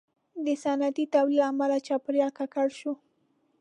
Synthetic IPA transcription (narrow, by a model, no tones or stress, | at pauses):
d̪əsanat̪it̪awlilaːmalat͡ʃɑpɾjɑkakaɽʃu